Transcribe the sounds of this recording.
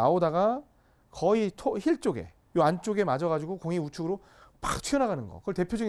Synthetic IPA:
a̰odaɡa | kʌitʰoçiɭt͡ɕ͈oɡe̞̰ | joant͡ɕ͈oɡe̞mad͡ʑʌɣad͡ʑuɡokoŋiut͡ɕʰuɡɯɾo | pḁtʰɥiʌnaɣanɯnɡʌ̰kɯʌɭte̞pʰjod͡ʑuŋ

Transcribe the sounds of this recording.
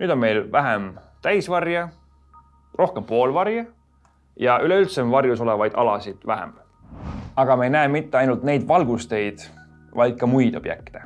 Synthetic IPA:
nyːd̪̥o̞nme̞jlvæɦem | t̪æjsvɑrjɑ | rʔo̞hkempo̞ːlvɑrjɑ | jɑʔyleylt̪semvɑrjuso̞levɑjd̪̥ɑ̰lɑsid̪̥væɦḛm | ɑɡ̥ɑmɑejnæeːmit̪ːeɑjnult̪̚ne̞jd̪vɑlɡ̥ust̪e̞jd̪̥ | vɑjd̪̥̚kɑmujd̪̥o̞b̥jḛk̚t̪e

